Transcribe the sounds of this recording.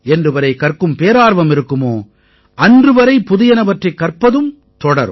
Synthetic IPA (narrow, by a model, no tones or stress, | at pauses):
ɛndrɯʋɐɾɐɪkɐrkɯmpeːɾaːɾʋɐmɪɾɯkːɯmoː | ʔɐndrɯʋɐɾɐɪpʊðɪjɐnɐʋɐʈrɐɪkːɐrpɐðɯm | t̪ɔɽɐ̰ɾɯ